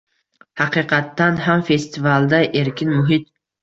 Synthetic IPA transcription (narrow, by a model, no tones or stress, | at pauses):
hɑqʰɨqʰɑt̪ːanɦamfe̞st̪ɪvalˠd̪aʔe̞ɾkʲɪnmʊɦɪt̪̚